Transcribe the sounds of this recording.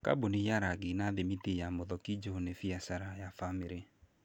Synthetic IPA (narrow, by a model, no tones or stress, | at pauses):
ka̰bonijaɾaɡenaðemitejamoðɔkid͡ʒonefiasaɾajafameɾe